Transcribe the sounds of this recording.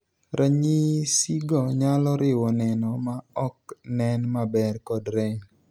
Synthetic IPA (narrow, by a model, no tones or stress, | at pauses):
ɾʔaɲisiɡɔɲalɔɾɪwɔnɛnɔmaɔk̚nɛnmabɛrkɔdɾɛ